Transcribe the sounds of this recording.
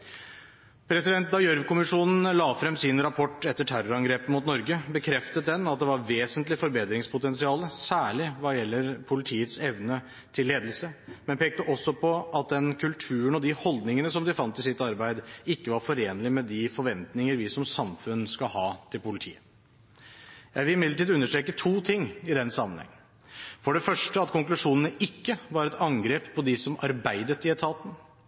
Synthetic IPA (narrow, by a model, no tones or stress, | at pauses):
pʰɾɛsɪd̪ɛnt̪̚d̪ɑɪjœɾʋkʊmɪʂuːnn̩lɑːfɾɛmsɪnɾɑpʰɔʈːɛt̪ːəʈʰæɾʊɾɑŋɡɾeːpəmʊt̪nɔɾɡəbəkʰɾɛft̪ət̪̚d̪ɛnɑt̪̚d̪ɛʋɑɾʋeːsənt̪lɪfɔɾbeːt̪ɾɪŋspʰʊt̪ɛnsɪɑːləsæːɭɪʋɑjɛlːəɾpʰʊlɪt̪ʰiːət̪sɛʋnə | t̪ʰɪlːeːd̪əl̩səmɛnpeːk̚t̪əʔɔsːɔpʰɔɑt̪̚d̪ɛnkʰʉlt̪ʰʉːəɳɔd̪ɪhɔld̪nɪŋənəsɔmd̪ɪfɑnt̪ːɪsɪt̪ːɑɾbæɪd̪ɪkːəʋɑɾfɔɾeːnəlɪmɛd̪ɪfɔɾʋɛnt̪nɪŋəɾʋɪsɔmsɑmfʉnskɑhɑːt̪ʰɪlpʊlɪt̪ʰḭːə | jæɪʋɪlɪmɪd̪ləʈiːd̪ʉnːəʂʈɾeːkət̪ʰuːt̪ʰɪŋːɪd̪ɛnsɑmːən̩hɛ̰ŋːən | fɔɖɛfœʂʈəɑt̪kʰʊŋklʉʂuːnənəʔɪkːəʋɑɾɛt̪ʰɑŋɡɾeːppʰːɔd̪ɪsɔmɑ̰ɾbæɪd̪ət̪ɪɛt̪ʰɑːt̪n̩